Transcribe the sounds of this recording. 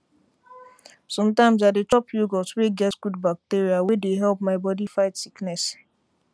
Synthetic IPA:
sɔ̃mtãɪ̃mzadet͡ʃɔpjoɡɔsweɡɛtsɡudbak̚teɾiawedeɦɛlp̚maɪbɔdifaɪtsiknɛs

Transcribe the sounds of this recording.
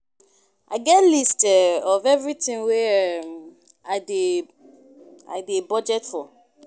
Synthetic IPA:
ʔa̰ɪɡɛtlistɛɔvɛvɹitĩŋweɛm | aɪde | a̰ɪdebɔd͡ʒɛtfɔ

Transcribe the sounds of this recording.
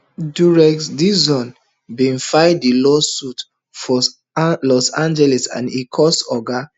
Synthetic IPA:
duɹɛksdiszɔ̃n | bĩnfajdilɔsut | fɔ | lɔsãnd͡ʒɛlɛsã̰nikʰɔsɔɡa

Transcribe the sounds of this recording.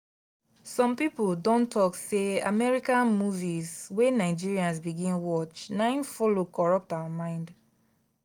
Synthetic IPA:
sɔ̃mpipuldɔ̃ntʰɔksea̰mɛɹikãnmuvizwenaɪd͡ʒiɹiãnsbiɡĩnwɔt͡ʃnãɪ̃nfɔlokɔɹɔp̚tawamãɪ̃nd

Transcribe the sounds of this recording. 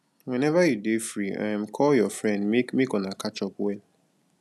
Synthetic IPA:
wɛ̃nɛvajudefɹiɛmkʰɔljɔfɹɛ̃ndmekmekɔ̃nakʰat͡ʃɔpwɛl

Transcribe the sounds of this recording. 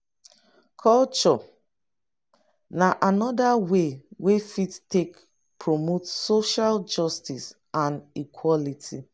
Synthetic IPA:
kʰɔlt͡ʃɔ | naʔanɔdawewefittek | pʰɹomotsoʃald͡ʒɔstis | ãnikʰwɔlitʰi

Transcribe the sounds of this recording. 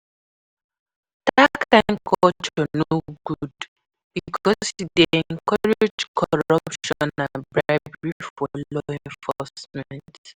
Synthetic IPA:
d̥akãnkʰɔtʰonooɡ̥ud | b̥iikʰɔsdeɛ̃ŋkʰaɹeɛd͡ʒkʰɔɹʌpʃɔ̃nãnbɹaɪbɹifɔlɔɛ̃ɱfɔsmɛ̃nt

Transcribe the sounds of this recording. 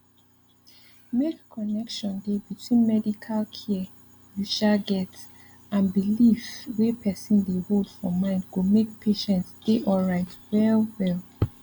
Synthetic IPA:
mekʰːɔnɛkʃɔ̃ndebitʰwĩnmɛdikʰalkʰiə | juʃaɡɛt | ãnbilifwepʰɛsĩndeholdfɔmãɪ̃ndɡomek̚pʰeʃɛ̃ntsd̥eʔɔɹaɪtwɛlwɛlˠ

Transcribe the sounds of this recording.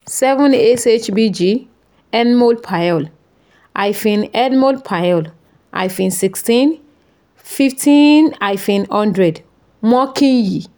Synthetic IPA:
sɛvɔ̃neset͡ʃbid͡ʒi | ɛnmolpʰajɔl | ʔajfĩnɛdmoldpʰajɔl | ʔa̰jfĩnsikstĩn | fiftʰĩnajfĩnhɔ̃ndɹɛd | mɔkʰĩnji

